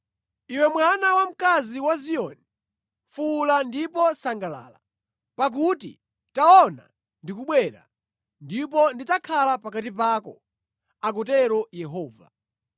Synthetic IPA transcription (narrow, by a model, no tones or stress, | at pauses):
iwɛmwanawam̩kaziwaziɔni | fulandipɔsaŋɡala̰ːla̰ | pak̬utḭ | taɔna̰ | ndikuɓwɛɾa̰ | ndipɔndit͡sakʰalapak̬atip̬aːkɔ | ak̬ɔtɛɾɔjɛɦɔːva̰